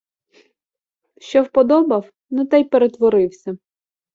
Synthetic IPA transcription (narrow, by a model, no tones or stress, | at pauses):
ʃt͡ʃɔwpɔd̪ɔbɐw | nɛt̪ajpeɾet̪ʋɔɾɪwsʲɐ